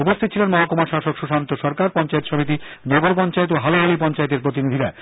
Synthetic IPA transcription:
upost̪ʰit̪ːt͡ɕʰilenmɔɦakomaʃaʃokʃuʃant̪oʃɔɾkaɾpɔnt͡ɕaet̪ʃomit̪i | nɔɡoɾpɔnt͡ɕaet̪̬oɦaloɦolipɔnt͡ɕaet̪̬eɾpɾot̪̬inid̪ʱiɾa

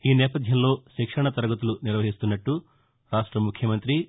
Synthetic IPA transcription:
iːnɛːpɐd̪ʱjɐmlo̞ːʃikʂɐɳɐt̪ɐɾɐɡɐt̪uluniɾʋɐɦist̪unːɐʈːu | ɾaːʂʈɾɐmukʰjɐmɐnt̪ɾi

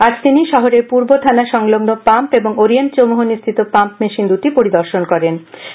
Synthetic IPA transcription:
ad͡ʑt̪iniʃɔɦoɾeɾpuɾbot̪ʰanaʃɔŋloɡnopampeboŋoɾient͡ɕomuɦoniʃt̪ʰit̪opampmeʃind̪ut̪ipoɾid̪ɔɾʃonkɔɾen

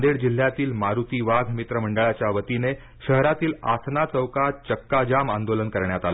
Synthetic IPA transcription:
nd̪eɽd͡ʑil̤ːjat̪iːlmaɾut̪iːʋaɡ̪ʱmit̪ɾəm̤əɳɖəɭat͡ɕjaʋət̪ine | ɕəɦɾat̪iːla̰sʰnat͡səwkaɾt͡ɕəkːad͡ʑamand̪olənkəɾɳjat̪al

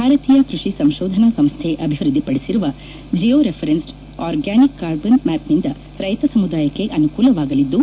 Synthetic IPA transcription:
bbʱaːɾɐt̪iːjɐkɾuʂisɐmʃoːd̪ʱɐnɐsɐmst̪ʰeʔɐbʱiʋɾud̪ʱːipɐɽesiɾuʋɐ | d͡ʒijoːɾepʰɐɾens | aːɾɡæːnikːaːɾbɐnmæːpnind̪ɐ | ɾɐjt̪ɐsɐmud̪aːjɐkːe̞ʔɐnukuːlɐʋaːɡɐlid̪ːu

